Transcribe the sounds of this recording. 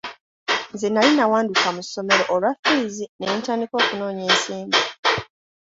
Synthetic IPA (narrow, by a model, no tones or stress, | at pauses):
nzenalinawaːndukamuso̞me̞ɾo̞ʔːlwafiːzinentaːndiko̞ːkuno̞ːɲe̞ːnsiːmbi